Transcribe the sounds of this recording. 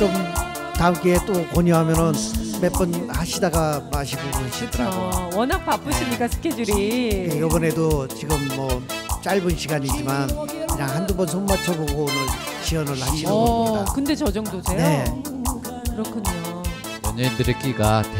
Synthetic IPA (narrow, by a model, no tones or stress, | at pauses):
t͡ɕom | taɯmk͈eet͈okoɲoɦamjʌnɯnmep͈ɯnhaɕʰidaɡamaɕʰiɡokɯɾɕʰit͈ʌɾaɡowʌnɦak̚pap͈ɯɕʰimɲik͈asʰɯ̥kʰed͡ʑuɾijeɡʌbʌne̞dot͡ɕiɡɯmːʌt͡ɕ͈aɭbunɕʰiɡaɲid͡ʑimaniɾaŋhandubʌnsʰonmːetʰʌboɡoːnɯn | t͡ɕiʌnɯɭhaɕʰiɡokɯnde̞t͡ɕʌd͡ʑʌŋdosejne̞ | kɯɾʌkʰɯɲo | ʌɲendɯɾek͈iɡat